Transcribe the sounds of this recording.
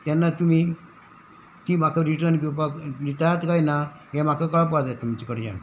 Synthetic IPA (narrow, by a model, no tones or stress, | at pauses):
t̪ɛnːat̪um̤i | t̪iːm̤akaɾiʈəɾnk̬ipaɾit̪at̪kajna | ɦɛ̃m̤akakəɭp̬ʋad͡zat̪am̤ət͡ɕikəɽd͡ʑa̰n